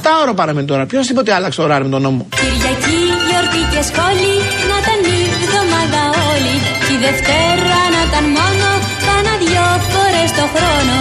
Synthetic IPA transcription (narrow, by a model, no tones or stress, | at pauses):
ɐft̪ɐoɾɐpɐɾɐmenit̪o̞ɾɐpçozðipo̞t̪eɐlɐkse̥t̪oɾɐɾimet̪ono̞mociɾʝɐcijoɾt̪icesxo̞li | nɐt̪ɐnizit̪o̞mɐd̪ɐoli | t̪iðe̞ft̪eɾɐnɐt̪ɐnmo̞no | pɐnɐðʝoto̞ɾest̪o̞xɾo̞no̞